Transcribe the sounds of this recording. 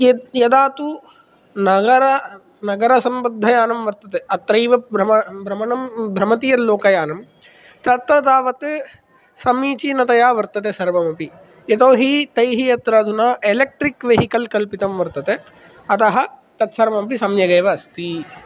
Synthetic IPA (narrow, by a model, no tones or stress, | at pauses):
jɐd̪aːt̪u | nɐɡɐɾɐ | nɐɡɐɾɐsɐmbɐd̪ʱːɐjaːnɐmʋɐɾt̪ɐt̪eɐt̪ɾɐjʋɐbɾɐɐbʱɾɐmɐnɐmbʱɾɐmɐt̪ijɐloːkɐjaːnɐm | t̪ɐt̪ɾɐd̪aːʋɐt̪ | sɐmiːt͡ʃinɐt̪ɐjaːʋɐɾt̪ɐt̪̬esɐɾʋɐmɐpi | et̪oːɦit̪ɐjɦijɐt̪ɾɐːd̪unaːʔelek̚ʈɾikʋeɦikɐlkɐlpit̪ɐmʋɐɾt̪ɐt̪e | ɐt̪ɐɦɐ̆t̪ɐt̪sɐɾmɐmɐpisɐmjɐɡɐjːʋɐɐst̪i